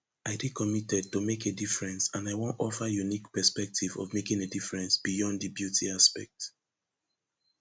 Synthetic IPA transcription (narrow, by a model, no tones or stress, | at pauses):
ʔaɪdikʰɔmitɛd̚tumekedifɹɛ̃nsãnaɪwõntɔfəjunikpɛspɛk̚tʰivɔ̰vmekĩŋedifɹɛ̃nsb̥ijɔ̃ndðibjutʰiaspɛ̰k̚t